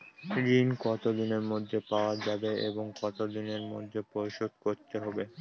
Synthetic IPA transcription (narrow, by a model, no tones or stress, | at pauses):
ɾinkɔt̪od̪ineɾmod̪ʱːepaoad͡ʑabeeboŋkɔt̪od̪ineɾmo̰d̪ʱːepojʃod̪̚koɾt̪eɦɔbe